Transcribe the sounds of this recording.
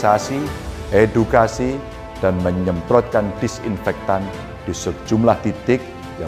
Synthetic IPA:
sasi | ʔedukasi | d̥anməɲəmpɾɔt̪̚kand̥ɪsḭnfɛk̚t̪an | d̥isək̚d͡ʒumlaht̪it̪ɪk̚ | ja

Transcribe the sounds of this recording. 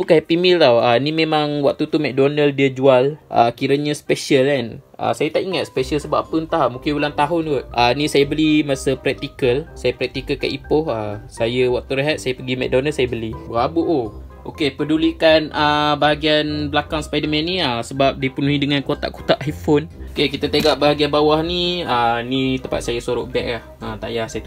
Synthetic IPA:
ukahɛpimilt̪awanimẽmaŋwak̚t̪ut̪umɛk̚donəldiəd͡ʒualʔə̰kiɾəɲəsə̥peʃəlanə̰sajət̪aʔiŋat̪̚sə̥pɛsəlsəbaʔpənt̪ahmũŋkɪnbulant̪aɦʊnwəʔənĩsajəbəlimasəpɾɛk̚t̪ikəlsajəpɾɛk̚t̪ikəlka̰ʔipʊhasajəwak̚t̪uɾeɦat̪̚sajəpəɡimɛ̰k̚donəsajəbəlibəɣabuʔo | ʔokepədulikanʔəbaɦaɡianblakaŋspajdəmɛ̃nːĩəsəbap̚dipunuɦidəŋankot̪a̰ʔko̥t̪aʔajfonokekit̪ət̪eɡaʔbaɦaɡianbawahniənit̪əmpa̰t̪̚sajəsoɾʊʔbɛʔ̚lahət̪a̰ʔjasajə

